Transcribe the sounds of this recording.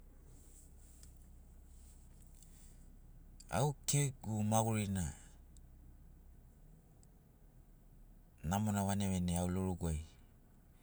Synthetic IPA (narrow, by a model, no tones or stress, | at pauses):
a̰wkeɡumaɡuɾina | namonaβaneβeneawloɾuɡuaj